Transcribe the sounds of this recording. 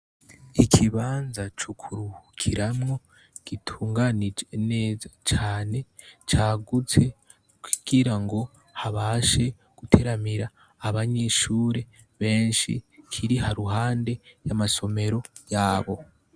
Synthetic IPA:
ikʰiβaːnzat͡ʃukʰuɾuhukʰiɾamŋo̞ | ɡ̥itʰuːŋɡanid͡ʒene̞ːzat͡ʃaːne̞ | t͡ʃaːɡut͡se̞ | kʰu̥ɡ̥iɾaŋɡo̞ | haβaːʃe̞ | ɡ̥utʰe̞ɾamiɾaː | βaɲe̞ʃuːɾe̞ | βe̞ːnʃḭkʰiɾihaɾuɦaːnde̞jamaso̞me̞ɾo̞jaːβo̞

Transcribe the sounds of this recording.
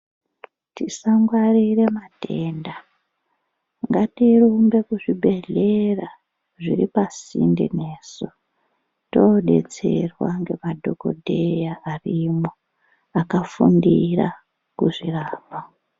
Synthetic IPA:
tisaŋɡwarire̞mate̞ːnda | ŋɡatirumbe̞kuʐibʱe̞ɮe̞ra | ʐiɾipasḭndḭne̞ːso | toɗe̞̰t͡se̞rwa̰ŋɡe̞madʱo̞ko̞̰dʱejaːrimo | akafundira | kuʐiraːpa

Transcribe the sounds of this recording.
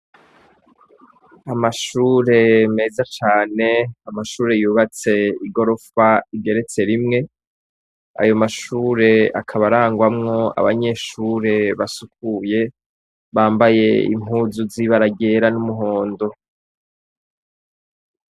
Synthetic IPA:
amaʃuːɾe̞me̞ːzat͡ʃaːne̞amaʃuːɾe̞juːβat͡se̞iɡo̞ɾo̞faiɡe̞ɾe̞t͡se̞ɾimŋe̞ | a̰jo̞maʃuːɾe̞a̰kʰaβaɾaːŋɡwamŋo̞a̰βa̰ɲe̞ːʃuːɾe̞βasuk̚uje̞ | βaːmbaje̞ḭmɦuːzuziβaɾaɡe̞ːɾanumuɦo̞ːndo̞

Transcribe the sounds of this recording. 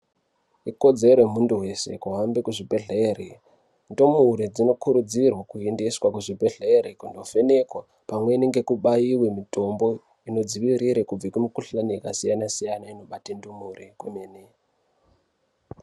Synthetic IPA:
iko̞d͡ze̞ɾwemunduwe̞se̞̰kuɦambekuʐibʱe̞ɮe̞ːri | ndumuɾed͡zino̞kuɾud͡zirwakuendiswakuʐibʱe̞ɮe̞ɾikundo̞fene̞kwa | pamwe̞niŋɡe̞kuɓajiwe̞mito̞mbo̞ | ino̞d͡ziʋiɾiɾekub͡vekumukuɬaniakasijanasijanaino̞ɓatendumurekwemeːne

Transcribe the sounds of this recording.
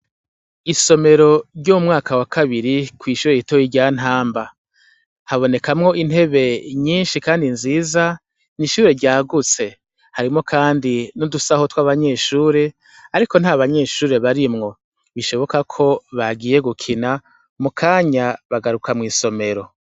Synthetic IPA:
iso̞me̞ɾo̞ɾɟomumŋaːkawakaβiɾikwiːʃuɾeitojiɟaːn̥ɦaːmba | haβone̞kamŋo̞ʔin̥he̞βe̞ɲiːnʃikaːndinziːza | niʃuːɾe̞ɾɟaːɡut͡se̞ | haɾimŋo̞kʰaːndinodusaho̞twaβaɲe̞ːʃuːɾe̞ | aɾiko̞n̥haβaɲe̞ːʃuːɾe̞βaɾimŋo̞ | βiʃo̞βo̞kakʰo̞βaɡiːje̞ɡukʰina | mukʰaːɲaβaɡaɾukamŋiːso̞me̞ɾo̞

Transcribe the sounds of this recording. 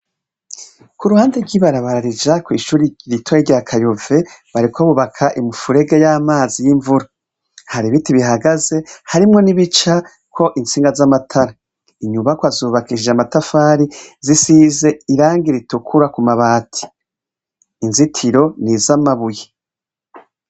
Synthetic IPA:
kuɾuhaːndeɾɡwiːβaɾaβaɾaɾid͡ʒakwiːʃuːɾiɾitʰojiɾɟaːkʰajove̞βaɾikʰoβuβakʰaʔimufuɾe̞ɡejaːmaːzijiɱvuɾa | haɾiβitiβiɦaɡaze̞haɾimŋo̞niβit͡ʃa | kʰo̞ʔinsiːŋɡazamatʰaɾa | iɲuβakwazuβakiʃid͡ʒamatafaːɾizisize̞iɾaːŋɡiɾitukʰuɾakumaβaːtʰi̥ | nzitʰiɾo̞nizamaβuje

